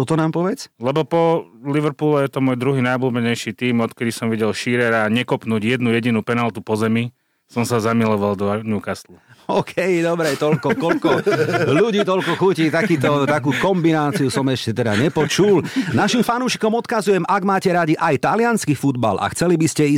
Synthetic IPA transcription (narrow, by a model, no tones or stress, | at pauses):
t̪ɔt̪ɔnaːmpɔʋɛt͡slɛbɔpɔliʋɾpuːlɛjɛt̪ɔmɔːjd̪ɾuɦiːnajblubɛɲɛjʃit̪iːmɔt̪kɛd̪isɔmʋiɟɛlʃiɾɛɾaːɲɛkɔpnuːɟjɛd̪nujɛɟinupɛnalt̪upɔzɛmi | sɔmsazamilɔʋald̪ɔaɲukasluɔːkʰɛjd̪ɔbɾɛt̪ɔlkɔkɔlkɔluɟiːt̪ɔlkɔxucit̪akiːt̪ɔt̪akuːkɔmbinaːt͡siusɔmɛʃcɛt̪ɛd̪aɲɛpɔt͡ʃulnaʃimfanuːʃi̥kɔmɔt̪kazujɛmʔaɡmaːcɛɾaɟiʔajt̪alɪanskifud̪ba̰lʔa̰xt͡sɛlibiscɛi